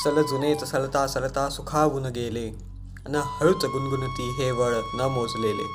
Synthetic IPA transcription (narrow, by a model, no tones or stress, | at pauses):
sələd͡zunet̪ɐsəlt̪asələt̪asukʰaːʋunəɡele | ɐnahɐɭut͡səɡunɡunut̪iːɦeʋəɭnəmod͡zleːlḛː